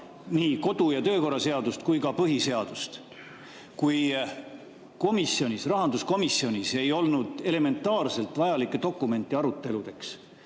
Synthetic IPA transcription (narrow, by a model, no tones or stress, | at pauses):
niːko̞d̪̥ujɑt̪ø̞ːko̞rɑse̞ɑd̪ust̪kujkɑpɤɦise̞ɑd̪̥ust̪ | kuj | ko̞misːio̞nʲisrɑɦɑnd̪usko̞misːio̞nʲise̞jo̞lnud̪̥e̞le̞me̞nt̪ːˑɑːrse̞lt̪ˑvɑjɑlikːˑed̪o̞kːˑume̞nt̪ːˑiɑɾut̪ːˑe̞lud̪̥e̞ks